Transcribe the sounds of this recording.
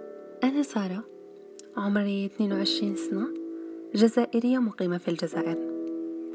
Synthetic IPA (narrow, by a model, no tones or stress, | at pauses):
ʔanasˤɑːɾˤɑ | ʕʊmɾt̪neːnwʕɪʃɾiːnsanaʒazaːʔɪɾɪjːamʊqiːmafild͡ʒazaːʔɪɾ